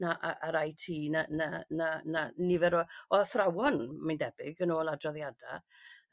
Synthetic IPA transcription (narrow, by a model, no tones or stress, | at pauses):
naʔaʔaɾajtʰiːnananananivɛɾɔɔθrawɔnmandɛbɪɡənoːlˠadrɔðjada